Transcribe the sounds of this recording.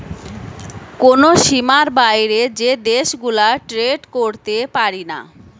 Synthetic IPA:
konoʃimaɾbajɾed͡ʑed̪eʃɡulaʈɾeɖkoɾt̪epaɾina̰

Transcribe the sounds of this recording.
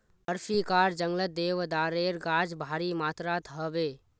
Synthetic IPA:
əɾfiːkaːɾd͡ʒə̃ŋɡlət̪̚d̪eːʋd̪aːɾeːɾɡaːd͡ʒbʱaːɾiːmaːt̪ɾaːt̪ʰəbeː

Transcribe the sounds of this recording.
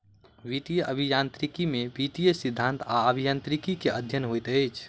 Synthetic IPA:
ʋiʈ̪ijəʔəbʱijant̪ɾikimebiʈ̪ijəsid̪ʱːãnt̪aəbʱijant̪ɾikikeʔəd̪ʱjənɦojt̪əɪt͡ʃʰ

